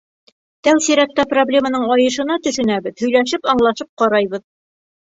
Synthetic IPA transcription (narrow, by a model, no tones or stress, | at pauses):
t̪ælsiɾæk̚t̪æproblʲemanɤɴɒjɤ̆ʃɤ̆nɑt̪ɵ̆ʃɵ̆næβɘðhɵ̆jlæʃɘpɑɴlˠɑʃɤp̚qɑɾɑjβɤð